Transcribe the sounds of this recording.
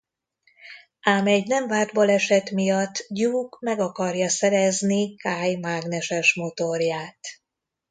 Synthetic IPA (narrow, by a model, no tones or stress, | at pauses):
aːmɛɟnɛɱvaːrd̪bɒlɛʃɛt̪mijɒt̪ːɟuːkmɛɡɒkɒrjɒsɛɾɛznikaːjmaːɡnɛʃɛʃmo̞t̪orjaːt̪